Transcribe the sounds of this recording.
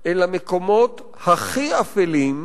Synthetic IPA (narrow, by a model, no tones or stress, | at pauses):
ʔelameko̞mot̪ | haχiafelim